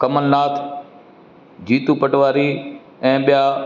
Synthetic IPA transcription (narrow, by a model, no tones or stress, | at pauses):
kɐmənːaːt̪ʰ | d͡ʑiːt̪upəʈʋaːɾi | ɛ̃ːɓɪjaː